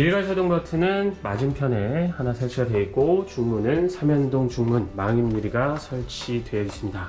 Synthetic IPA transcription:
iɭɡaɭsʰedoŋbʌtʰɯnɯnmad͡ʑɯmpʰjʌne̞hanasʰaɭt͡ɕʰiadwe̞ik͈ot͡ɕuŋmunɯnsʰamjʌndoŋt͡ɕuŋmunmaŋimɲuɾiɡasʰʌɭt͡ɕʰidwe̞ʌis͈ʰɯmɲida

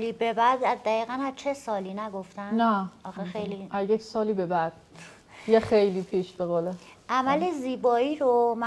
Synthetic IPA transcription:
liːbebæd̪æzd̪æiːɣænæzt͡ʃʰesɒːliːnæɡoft̪ænnæɒxexejliʔæjecʰsɒːliːbebæd̪̥̚ | jexejliːpʰiʃbeɣole | ʔæmæleziːbɒːiːɾomæ

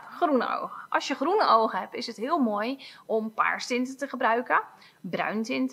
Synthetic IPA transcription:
xrunə̰o̰wɣəʔɑsjəχrunəʔoːɣəhɛpɪsətɦɪəlˠmojʔɔmpa̰ːɹstɪntətəχəbrœɥkə | brœ̰ɥntɪntə

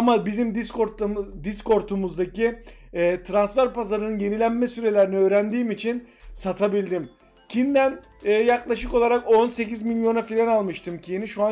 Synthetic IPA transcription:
amabizimd̪iskoɾd̪isko̞ɾt̪ʰumuzd̪aciɛːt̪ʰɾansfæɾpʰazaɾɯnɯnje̞nilʲænmɛsyɾe̞lʲæɾiniø̞ːɾænd̪iːmit͡ʃʰinsat̪ʰabilʲd̪im | cʰind̪æn | ɛːjaklˠaʃɯko̞lˠaɾako̞nse̞cizmilʲjo̞nafilʲɛnalˠmɯʃt̪ʰɯmcʰijiniʃua

